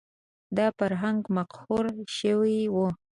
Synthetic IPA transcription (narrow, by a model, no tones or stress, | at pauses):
d̪ɑfaɾɦaŋɡmaqhoɾʃəwiwu